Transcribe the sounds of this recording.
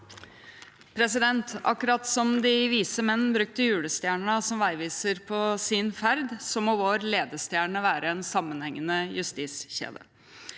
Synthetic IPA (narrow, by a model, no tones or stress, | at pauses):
pʰɾɛsɪd̪ɛnt̪ɑ̰kːʉɾɑt̪sɔmd̪ɪʋiːsəmɛnːn̩bɾʉk̚t̪əjʉːɽəst̪jæːɳɳəsɔmʋæɪʋiːsəɾpʰɔsɪnfæɾd̪sɔmoːʋoːɾleːd̪əst̪jæːɳəʋæːɾəɛnsɑmːənhɛŋːənəjʉst̪iːsçḛːd̪ə̰